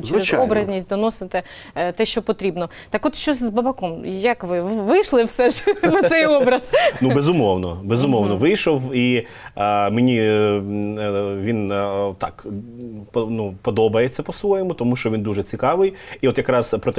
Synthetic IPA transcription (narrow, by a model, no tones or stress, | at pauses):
t͡ʃɛɛzɔbɾɐzʲnʲisʲtʲd̪ɔnɔsɪt̪ɛ | t̪ɛʃt͡ʃɔpɔt̪ɾʲibnɔ | t̪ɑkɔt̪ʃt͡ʃɔsʲzbɐbɐkɔmjɐkʋɪʋɪjʃlˠɪwsɛʒnɐsɛjɔbɾɐz̥nubezʊmɔwnɔbezʊmɔwnɔʋɪjʃɔwi | menʲi | ʋʲint̪ɑ̰k | pɔnupɔd̪ɔbɐjet͡sʲːɐpɔsʋɔjɛmʊt̪ɔmuʃt͡ʃɔʋʲind̪uʒɛt͡sʲikɑʋɪjiɔt̪jɐkɾɑzpɾɔt̪ɛ